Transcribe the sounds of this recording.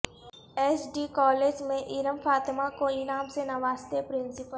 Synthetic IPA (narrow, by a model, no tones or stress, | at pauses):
eːsɖiːkɔːleːd͡ʒmẽʔɪɾəmfaːt̪makoɪnaːmsenɐʋaːst̪epɾɪ̃nsɪpəl